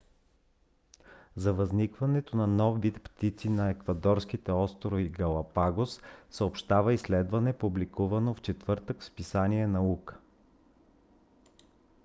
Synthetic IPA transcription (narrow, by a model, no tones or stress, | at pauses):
zɐvɐznikvɐnɛt̪onɐnɔfːit̪pt̪it̪sinɐɛkvɐd̪ɔɾskit̪ɛɔst̪ɾoiɡɐlˠɐpaɡossəopʃt̪avəislɛd̪vɐnɛpublikuvɐnoft͡ʃɛt̪vɤɾt̪əkspisaniɛnɐukə̥